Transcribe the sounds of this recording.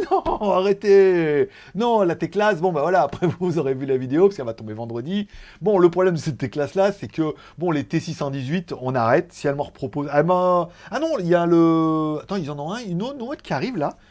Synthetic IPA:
nɔ̃aʁet̪e | nɔ̃lat̪eklasbɔ̃bavwalaːpχɛvuuzoʁevylavid̪eopaskɛlvat̪ɔ̃bevɑ̃d̪ʁəd̪ibɔ̃ləpχɔblɛmd̪əsɛt̪ːeklaslasɛkə | bɔ̃let̪esisɑ̃d̪izɥit̪ɔ̃naʁɛt̪siɛlmɑ̃ʁpχɔpozamɑ̃anɔ̃ijaləat̪ɑ̃ilzɑ̃nɔ̃ɛ̃ynonot̪kʲiaʁivla

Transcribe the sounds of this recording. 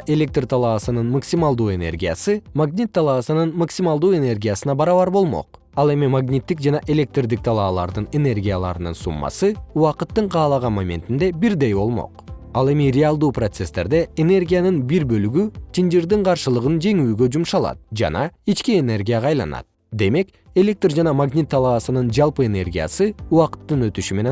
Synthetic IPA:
ʔe̞lʲe̞k̚t̪rt̪ʰɑlˠɑːsɯnɯnmaksʲimalˠd̪uːe̞ne̞̰rɡʲija̰sɯmaɡnʲit̪ːɑlˠɑːsɯnɯnmaksʲimɑlˠd̪uːe̞ne̞rɡʲijasɯnɑbɑɾɑβɑɾbo̞lˠmo̞̰q̚ | ɑlˠe̞mimaɡnʲit̪ːik̚d͡ʒɑnɑʔe̞lʲe̞k̚t̪rd̪ik̚t̪ʰɑlˠɑːlˠɑ̰ɾd̪ɯne̞ne̞rɡʲijalˠɑ̰ɾɯnɯnsṵmːɑ̰sɯuwɑqɯt̪ːɯɴqʰɑːlˠɑʁɑnmamʲe̞̰nt̪ind̪e̞biɾd̪e̞jbo̞̰lˠmo̰qɑlˠe̞mirʲɪalˠd̪uːpro̞t̪se̞st̪e̞ɾd̪e̞ene̞rɡʲijanɯnbiɾbø̞lyɡyt̪ʰind͡ʒiɾd̪iɴqʰɑɾʃɯlˠɯʁɯnd͡ʒe̞ŋyːɡø̞d͡ʒumʃɑlˠɑ̰t̪̚d͡ʒɑ̰nɑit͡ʃkiene̞rɡʲijaʁɑːjlˠɑ̰nɑ̰t̪̚ | d̪e̞me̞k | e̞lʲe̞k̚t̪rd͡ʒɑnɑmaɡnʲit̪ʰːɑlˠɑːsɯnɯnd͡ʒɑlˠpɯene̞rɡʲija̰sɯuɑqɯ̥t̪ːɯnø̞t̪yʃyme̞ne

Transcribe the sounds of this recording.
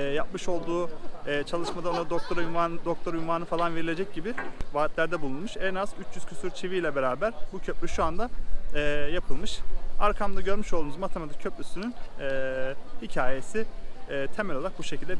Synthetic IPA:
ɛjapmɯʃo̞lˠd̪uːɛt͡ʃʰalˠɯʃmad̪aonad̪okt̪ʰoɾjand̪ok̚t̪ʰo̞ɾjumaːnɯfalˠanve̞ɾilʲe̞d͡ʒɛc̚ɟibivaːt̪lʲæɾd̪ɛbulˠunmuʃɛnazyt͡ʃʰjyz̥cʰysyɾt͡ʃʰivijlʲɛbe̞ɾaːbæɾbucʰøplʲyʃuand̪aɛːjapʰɯlˠmɯʃaɾkʰamd̪aɟø̞ɾmyʃolˠd̪unuzmat̪ʰemat̪ʰi̥cʰøplʲysynynɛːhicʰaːje̞siːt̪ʰe̞mɛlʲolˠaɾak̚buʃecʰilʲd̪ɛ

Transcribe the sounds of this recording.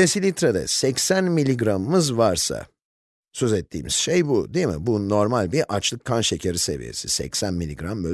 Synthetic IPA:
esilʲit̪ɾad̪ɛ̰sɛcsænmilʲːiɡɾamɯmɯzvaɾsa̰ | sø̞zɛt̪ʰːḭːmiz̥ʃe̞jbud̪ijmḭbuno̞ɾmalʲbiɾʔat͡ʃlˠɯkʰːanʃecʰaɾise̞̰vḭje̞̰sisɛ̰csænmilʲiɡɾambø

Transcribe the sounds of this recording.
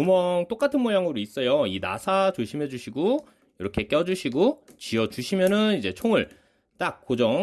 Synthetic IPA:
umʌŋt͈ok͈atʰɯnmojaŋɯɾois͈ʌjoina̰sʰat͡ɕoɕʰimɦe̞d͡ʑuɕʰiɡo | jʌɾʌkʰek͈ʌd͡ʑuɕʰiɡot͡ɕiʌt͡ɕuɕʰimjʌnɯnid͡ʑe̞t͡ɕʰoŋɯɭ | t͈ak̚k͈od͡ʑʌŋ

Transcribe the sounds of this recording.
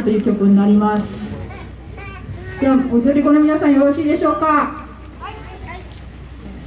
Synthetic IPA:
t̪o̞jɯ̟ːkʲo̞kɯ̟ɲ̟inaɾʲimasɨ̥ | d̪̥eβaot̪oɾʲiko̞no̞mʲinasãɰ̃jo̞ɾo̞ɕiːd̪e̞ɕo̞ːka

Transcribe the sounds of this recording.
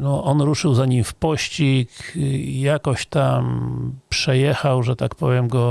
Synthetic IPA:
nɔʔɔnɾuʂɘwzaɲimfpɔɕt͡ɕikjakɔɕt̪ampʂɛjɛxawʐɛt̪akpɔvʲjɛmɡɔ

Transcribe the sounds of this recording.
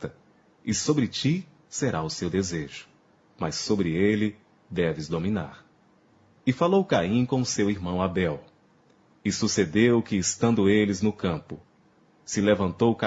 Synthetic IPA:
t̪ɐ | ɪsobɾɪt͡ʃi | seɾaʊsewd̪ezeʒʊ̥ | masːobɾɪelɪ | d̪ɛvɪzd̪omĩna̰ɾ | ɪfalowkaĩkõʊsewiɾmɐ̃w̃abɛw | ɪsused̪ewkɪːst̪ɐ̃nd̪ʊelɪznʊkɐ̃pʊ | sɪlevɐ̃nt̪owka

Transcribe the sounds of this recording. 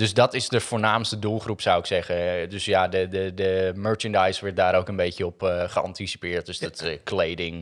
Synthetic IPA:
døsdɔtɪsdəvʊːɹnaːmstədulˠχrupsawɪksɛχəndɵsjadədədəmøːɹt͡ʃəndajsʋɛɹt̚daːɾowkənbejcəɔpχəɑ̰ntisi̥pɪːɹt̚døsdɔtklejdɪŋ

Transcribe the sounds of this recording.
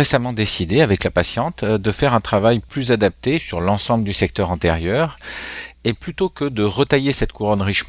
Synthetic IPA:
esamɑ̃d̪esid̪eavɛklapasjɑ̃t̪d̪əfɛʁɛ̃t̪χavajplyzad̪ap̚t̪esyʁlɑ̃sɑ̃bləd̪ysɛk̚t̪œʁɑ̃t̪eʁjœʁ | eplyt̪okəd̪əʁət̪ajesɛt̪kʰuʁɔnʁiʃm

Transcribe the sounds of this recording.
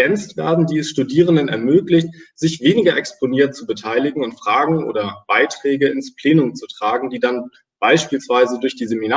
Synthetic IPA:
ɛnt͡stv̥ḛːɐdn̩diːɛsʃtudiːʁ̞əndənɛ̰ɐmøːklɪçtz̥ɪçv̥eːnɪɡɐʔɛkspʰoniːɐtt͡subətʰaɪlɪɡŋ̩ʊntfʁ̥aːɡŋ̩ʔo̰ːdɐb̥aɪtʁ̥ɛːɡəɪnspl̥ɛːnʊmt͡sutʁ̥aːɡŋ̩diːdan | b̥aɪʃpiːlsv̥aɪzədʊɐçd̥iːzeminaː

